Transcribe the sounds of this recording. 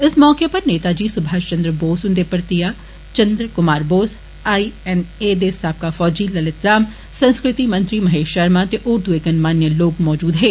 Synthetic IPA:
ɪsmɔːkepɐɾneːt̪aːd͡ʒiːsʊbʱaːʃt͡ʃɐ̃nd̪ɾəboːsɦʊ̃nd̪epɐɾt̪ijaː | t͡ʃɐ̃nd̪ɾəkʊmaːɾboːs | aːiɛned̪eːsaːb̚kafɔːd͡ʒiːlɐlɪt̪ɾaːm | sɐ̃nskɾɪt̪imɐ̃nt̪ɾimɐɦeːʃɐɾmãt̪eʔʊɾd̪ueːkənmaːnjəloːkmɔːd͡ʒuːd̪ɦeː

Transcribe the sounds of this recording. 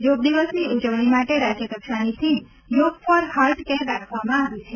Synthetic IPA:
joɡ̚d̪iʋəsniud͡ʒəʋɽ̃imaʈeɾad͡ʒjəkəkʃanit̪ʰi | joɡfɔɾhaɾʈkɛɾɾakʰʋamãaʋĩt͡ʃʰe

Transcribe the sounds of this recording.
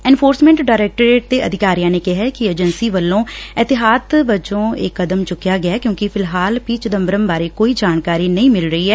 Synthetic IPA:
ɛ̃ːnpʰoːɾsmɛ̃ːɳʈɖaːɾɛːk̚ʈəɾeːʈ̚d̪eːʔəd̪ɪkaːɾijãːneːkɪɦɛːkɪeːd͡ʒənsiːʋəlːõːɛːt̪ɪɦaːd̪bət͡ʃõːḛːkːəd̪əmt͡ʃʊkːɪjaːɡɪaːkjõːkɪpʰɪlɦaːlpiːt͡ʃəd̪əmbəɾəmbaːɾeːkoːiːd͡ʒaːnkaːɾiːnəĩːmɪlɾəiːɛː

